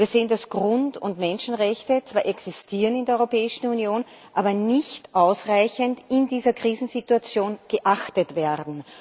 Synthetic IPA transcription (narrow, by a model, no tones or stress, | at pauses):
iːɐzeːəndasɡ̥ʁʊntʊntmɛnʃn̩ʁɛçtət͡sv̥aːɐʔɛksistʰiːʁənɪndeːɐɔʏʁopɛːɪʃn̩unjoːn | ʔaːbɐnɪçtʔaʊsʁaɪçəntɪndiːzɐkʁ̥iːzn̩zituat͡sjoːnɡ̥əʔaxtətv̥ɛɐʁdn̩